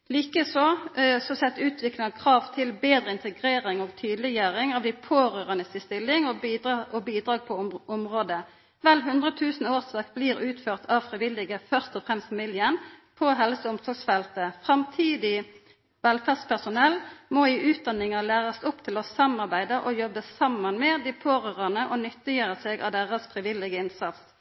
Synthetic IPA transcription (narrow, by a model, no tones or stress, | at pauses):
liːkəsoːsɔsɛt̪ːʉːt̪ʰʋɪklɪŋɑʋkʰʁɑːʋt̪ʰɪlbeːd̪ʁəɪnt̪əɡʁeːʁɪŋɔːɡt̪ʰyːd̪lɪjæːɾɪŋɑʋd̪æɪpʰoːʁøːʁənəsɪst̪ɪlːɪŋɔiʔɔbiːd̪ɾɑːɡ̚pʰɔʊmʁoːd̪ə | ʋɛlɦʉnd̪ʁət̪ʰʉːsnoːʁsʋɑkbliːʁʉːt̪føːʁt̪ʰɑʋfʁɪʋɪlɪɡəfœʁst̪ɔfʁɛmst̪fɑmɪljənpʰɔɦɛlsəʊmsɔɡsfɛlt̪əfʁɑmt̪ʰiːd̪ɪ | ʋɛlfæʁdspʰæʁsʊnɛlːmɔɪʔʉːt̪̚d̪ɑnɪŋɑlæːʁɑst̪ʊpt̪ʰɪlɔsɑmɑʁbæɪd̪əʔɔjɔbːəsɑmːɑnmɛd̪ɪpʰoːʁøːʁɑnəʔɔnʏt̪ːɪjøːʁəsɛɡɑ̰ʋd̪eʁəsfʁɪʋɪlɪɡəɪnsɑt̪s